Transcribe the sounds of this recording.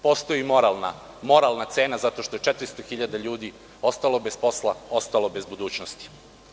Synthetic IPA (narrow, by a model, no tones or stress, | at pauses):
po̞ːst̪o̞jimoɾalna̰ | mo̞ɾalnat̪se̞ːnazat̪o̞ʃt̪o̞jet͡ʃet̪ɾist̪oxiʎad̪aʎuːd̪i | o̞st̪alˠo̞be̞spo̞slˠao̞st̪alˠo̞bezbud̪uːt͡ɕnost̪i̥